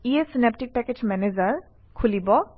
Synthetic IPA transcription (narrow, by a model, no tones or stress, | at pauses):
iesinep̚ʈik̚pɛket͡ʃmɛnezəɹ | kʰulibɔ